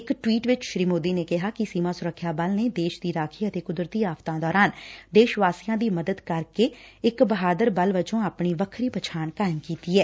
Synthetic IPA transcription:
ɪkʈʋiːʈʋɪt͡ʃʃɾiːmoːd̪iːneːkɪɦaːkɪsiːmaːsʊɾəkʰːjaːbəlneːd̪eːʃd̪iːɾaːkʰiːət̪eːkʊd̪ɾt̪iːaːft̪ãːd̪ɔːɾaːnd̪eːʃʋaːsɪjãːd̪iːməd̪əd̪kəɾkeːɪkbəɦaːd̪əɾbəlʋət͡ʃõːaːpɳiːʋəkʰɾiːpət͡ʃʰaːɳkaːɪmkiːt̪iːɛː

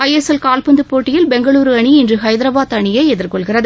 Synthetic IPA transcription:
ɐjɛsɛlkaːlpɯnd̪ɯpːoːʈːɪjɪlbɛŋɡɐɭuːɾɯɐɳiɪndrɯɦɐɪðɪɾɐbaːt̪ɐɳɪjɐɛðɪɾkɔɭɣɪrɐðɯ

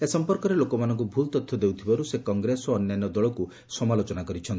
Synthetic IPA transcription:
esɔmpɔɾkɔɾelokɔmanɔŋkubʱult̪ɔt̪ʰːjɔd̪ewt̪ʰibaɾusekɔŋɡɾesɔːnːjajnːɔd̪ɔɭɔku | sɔmalot͡ʃɔnakɔɾit͡ʃʰɔnt̪i

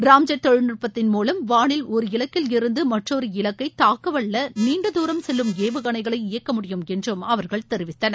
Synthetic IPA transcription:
ɾaːmd͡ʒɐt̪ːɔɻnɪrpːɐt̪ːɪnmuːlɐmʋaːɳɪlɔɾɯɪlɐkːɪlɪɾɯnd̪ɯmɐʈrɔɾɯɪlɐkːɐɪt̪aːkːɐʋɐɭːɐniːɳɖɐðuːɾɐmsɛlːɯmeːʋɯɣɐɳɐɪɣɐɭɐɪɪjɐkːɐmʊɽɪjɯmɛndrɯmɐʋɐɾɣɐɭt̪ɛɾɪʋɪt̪ːɐnɐ

